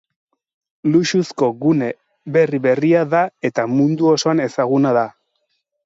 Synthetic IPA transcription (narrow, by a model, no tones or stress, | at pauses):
luʃusko̞ɣune̞ | βe̞riβe̞riaðae̞t̪amund̪uo̞so̞ane̞saɣunaða